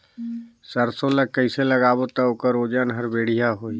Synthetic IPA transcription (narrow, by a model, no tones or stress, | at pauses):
səɾsoləkəɪseləɡabot̪əoːkəɾod͡ʒənɦəɾbeɽ̤ijaɦoi